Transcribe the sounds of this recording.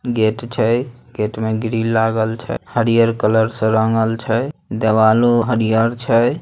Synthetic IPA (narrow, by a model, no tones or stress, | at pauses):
ɡeʈt͡ʃʰəjɡeʈmeɡɾilːaɡəlt͡ʃʰə̰həɾijəɾkələɾsə̃ɾəŋɡəlt͡ʃʰəd̪eʋaluɦəɾijəɾt͡ʃʰə